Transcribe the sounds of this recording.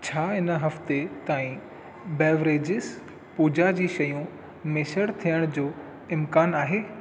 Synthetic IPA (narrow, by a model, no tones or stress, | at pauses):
t͡ɕʰaːɪnəɦɐft̪et̪aːĩ | bɛːʋɾeːd͡ʑɪs | puːd͡ʑad͡ʑiːʃɐjũ | meːʃəɽt̪ʰijəɽ̃d͡ʑoː | ɪmkaːnaːɦeː